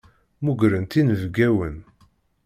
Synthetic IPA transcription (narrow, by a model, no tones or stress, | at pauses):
muɡɾənt̪inəvɡæwən